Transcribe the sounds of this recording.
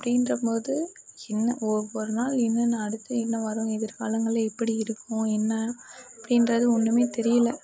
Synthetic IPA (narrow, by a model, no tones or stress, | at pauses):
ɐpːɐɽɪnrɐpoːðɯɛnːɐʔɔɾʋɔɾɯnaːlɛnːɐnãɐɽɯt̪ːɐɛnːɐʋɐɾɯ̃ɛðɪɾka̰ːlɐŋɡɐɭɐɛpːɐɽiɪɾɯkːʊ̃ɛnːɐɐpːɐɽɪnrɐðɯɔnːɯmeːt̪ɛɾɪjɐlɐ